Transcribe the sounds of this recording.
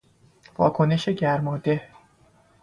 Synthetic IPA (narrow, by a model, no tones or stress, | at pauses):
vɒ̰ːkʰo̞ne̞ʃe̞ɟæɾmɒːd̪e̞